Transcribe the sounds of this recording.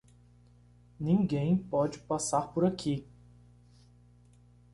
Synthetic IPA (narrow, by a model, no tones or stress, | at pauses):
nĩŋɡẽj̃pɔd͡ʒɪpasaɾpoɾakʰi